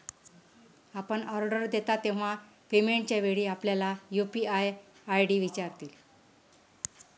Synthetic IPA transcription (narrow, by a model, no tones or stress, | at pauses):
apəɳɔɾɖəɾd̪et̪at̪ːeʋ̤a | pemeɳʈt͡ɕaʋeɽiːapljalajupiajajɖiːʋit͡ɕaɾt̪il